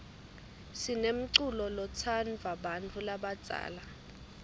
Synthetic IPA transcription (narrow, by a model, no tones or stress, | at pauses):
sinem̩ǀulɔlɔt͡sʰanvʱaɓant͡fʰulaɓḁd͡z̥ʼʱa̰ːla